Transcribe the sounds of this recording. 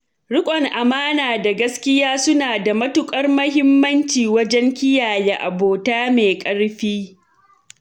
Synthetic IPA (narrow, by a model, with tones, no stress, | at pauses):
ɽʊ˦kʷʼɔ˨ŋʔa˨maː˦naː˨da˨ɡɐ˦skʲɪ˦jaː˦sʊ˦naː˨da˨mɐ˦tʊ˦kʷʼɐ˦rmɐ˦hɪ˦mːɐ˦nt͡ʃiː˨wɐ˦d͡ʒɛ˦ŋkʲɪ˦jaː˨jeː˦ʔa˨boː˨taː˦meː˨kʼɐ˦ɽɸiː˦